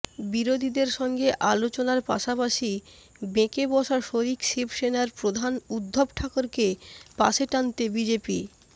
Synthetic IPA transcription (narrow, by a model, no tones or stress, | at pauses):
biɾod̪ʱid̪eɾʃɔŋɡeʔalot͡ɕonaɾpa̰ʃapaʃi | bekebɔʃaʃoɾikʃibʃenaɾpɾod̪ʱanud̪ʱːobʈʰakoɾkepa̰ʃeʈant̪ebid͡ʑepi